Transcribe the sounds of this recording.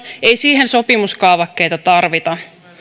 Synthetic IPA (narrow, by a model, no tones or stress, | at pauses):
ejsiːɦenso̞pimuskɑːʋɑkːe̞jt̪ɑt̪ɑrʋit̪ɑ